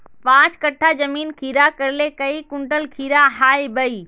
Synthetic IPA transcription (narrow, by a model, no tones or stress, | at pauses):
pãːt͡ʃkɐʈʰːad͡ʒɐmiːnkʰiːɾakɐɾlekɐikʊ̃ɳʈəlkʰiːɾaɦaːibəiː